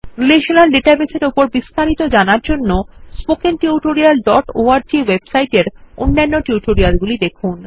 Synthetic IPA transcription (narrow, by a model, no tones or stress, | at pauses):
ɾileʃonalɖeʈabeseɾopoɾbist̪ʰaɾit̪od͡ʑanaɾd͡ʑonːospokenʈiuʈoɾialɖɔʈoaɾd͡ʑiwebsajʈeɾonːanːoʈiwʈoɾialɡulid̪ekʰun